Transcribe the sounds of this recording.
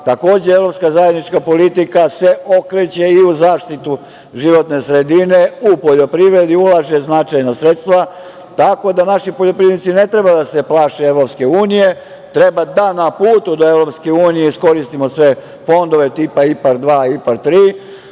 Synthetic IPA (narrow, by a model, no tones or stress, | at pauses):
t̪ako̞ːd͡ʑeeʋɾo̞pskazaje̞d̪nit͡ʃkapo̞lit̪ikaseo̞kɾet͡ɕe̞iuzaːʃt̪it̪u | ʒiʋo̞t̪ne̞sɾe̞d̪ineupo̞ʎo̞pɾiʋɾe̞d̪iulˠaʒe̞znat͡ʃajnasɾe̞t̪st̪ʋa | t̪ako̞d̪anaʃipoʎo̞pɾinit̪sine̞t̪ɾebad̪ase̞plˠaːʃeeʋɾo̞pske̞uːnije̞ | t̪ɾe̞bad̪anapuːt̪ud̪o̞e̞ʋɾo̞pskeuːnijeisko̞ɾist̪imo̞sʋe̞ | fo̞nd̪o̞ʋe̞t̪ipaipaɾd̪ʋaːipaɾt̪ɾiː